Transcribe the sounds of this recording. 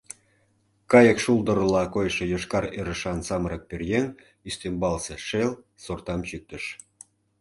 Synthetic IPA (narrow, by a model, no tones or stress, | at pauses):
kɑjə̆kʃulˠd̪ə̆ɾlɑkojʃɤ̆joʃkɑɾeɾə̆ʃɑnsɑmɾɤ̆k̚perjen | yst̪embɑlseʃel | sort̪ɑmt͡ɕyk̚t̪ə̆ʃ